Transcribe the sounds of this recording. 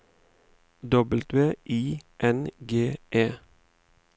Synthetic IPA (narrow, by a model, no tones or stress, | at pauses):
d̪ɔbəlt̪ʋeːʔiːʔɛnɡeːʔeː